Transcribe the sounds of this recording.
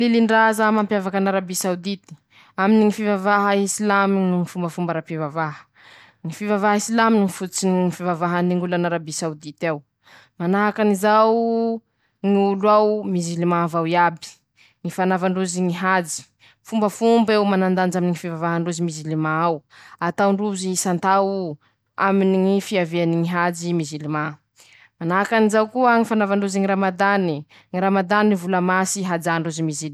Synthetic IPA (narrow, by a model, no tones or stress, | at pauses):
liliɳɖ͡ʐazamampjavakanaɾabisawd̪it̪i̥ | aminiŋifivavaɦəisilaminuŋifumbəfumbaɾapivavaɦə̥ | ŋifivavaɦisilaminiŋifut͡sinŋifivavaɦaniŋɡulanaɾabisawd̪it̪aw | manaɦakanizaw | ŋiulwawmizilimavawiabi̥ | ŋifanavaɳɖ͡ʐuziŋiɦad͡ʒi̥ | fumbəfumbewmanand̪and͡ʒaminiŋifivavaɦaɳɖ͡ʐuzimizilimaawat̪awɳɖ͡ʐuzisant̪aw | aminiŋifiaveaniŋiɦad͡ʒimizilima | manaɦakanizawkuəŋifanavaɳɖ͡ʐuziŋiɾamad̪ani | ŋiɾamad̪anivuləmasiɦad͡ʒaɳɖ͡ʐuzimizil